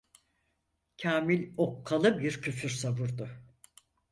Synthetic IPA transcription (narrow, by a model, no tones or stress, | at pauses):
cʰaːmilʲo̞kʰːalˠɯbiɾcʰyfyɾsabuɾd̪ʊ